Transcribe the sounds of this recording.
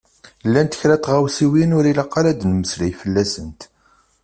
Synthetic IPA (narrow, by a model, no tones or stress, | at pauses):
lːænt̪ə̥çɾæt̪ːʁawsiwinʊɾilɑqːɑlæd̪nməslæjfəlːæsənt̪